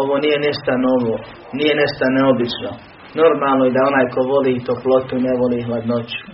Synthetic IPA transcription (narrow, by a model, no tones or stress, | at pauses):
oʋoːnije̞niʃt̪ano̞ʋoː | niːjeneʃt̪aneobit͡ʃno | no̞ɾmaːlˠnojed̪ao̞naːjko̞ʋo̞liːt̪oplo̞t̪uneʋoliːɦlad̪not͡ɕu̥